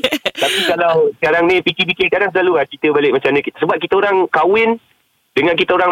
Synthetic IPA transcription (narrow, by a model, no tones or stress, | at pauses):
t̪apikalawsə̥kaɾaŋnĩpikip̬ikiskadaŋs̬əlaluat͡ʃit̪əbalɪʔ̚mat͡ʃamnəkit̪əsəbap̚kit̪əoɾaŋkawɪn | dəŋankit̪əoɾaŋ